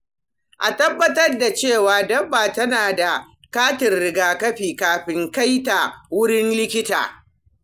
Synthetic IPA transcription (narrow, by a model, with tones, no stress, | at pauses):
ʔa̰˨tɐ˦bːɐ˦tɐ˦rda˨t͡ʃeː˦˨waː˨˦dɐ˦baː˨tɐ˦naː˨da˨ | kaː˦tɪ˨rɽɪ˦ɡaː˨kɐ˦ɸiː˨kaː˨ɸɪ˦ŋka˦jta˨wʊ˦ɽɪ˦nlɪ˦kʲɪ˦ta̰ː˨